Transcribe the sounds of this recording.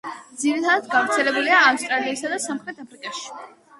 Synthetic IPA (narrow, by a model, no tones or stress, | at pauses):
md̪ziɾit̪ʰad̪at̪̚ɡavɾt̪sʰɛlɛbuliaːfst̪ʼɾaliːsad̪asamχɾɛt̪ʰapʰɾikʼaʃi̥